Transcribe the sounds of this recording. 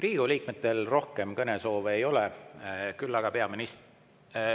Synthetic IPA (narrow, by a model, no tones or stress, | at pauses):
riːɡ̥uliːk̚met̪ːˑe̞lro̞hke̞mkɤne̞so̞ːve̞jo̞lekylːɑɡ̥ɑpe̞ɑminis